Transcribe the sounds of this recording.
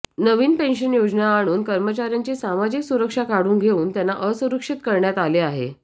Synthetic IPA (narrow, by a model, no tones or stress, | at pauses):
nəʋiːnpenɕənjod͡znaːɽ̃uːnkəɾmət͡ɕaɾjaɲt͡ɕesamad͡ʑiːksuɾəkʂakaɽuːnɡʱeuːnt̪janːaʔəsũɾəkʂit̪kəɾɳjat̪aleaɦḛ